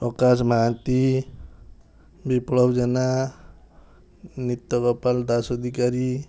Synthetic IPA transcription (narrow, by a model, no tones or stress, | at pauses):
ɔkasmaant̪i | biplɔbd͡ʒɛna | nit̪ːɔkɔpald̪asɔd̪ʱikaɾi